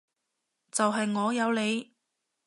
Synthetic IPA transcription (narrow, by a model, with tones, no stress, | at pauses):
t͡sɐ˨wɦɐ˨jŋɔː˨˧jɐ˨˧wle˨˧j